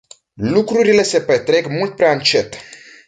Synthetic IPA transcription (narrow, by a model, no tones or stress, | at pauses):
lukɾuɾile̞se̞pet̪ɾe̞kmult̪̚pɾeaɨnt͡ʃe̞t̪